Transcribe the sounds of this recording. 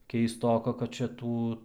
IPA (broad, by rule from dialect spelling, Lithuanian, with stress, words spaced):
kʲɛɪsˈtoːkɐ kɐt t͡ʃʲɛ ˈtuː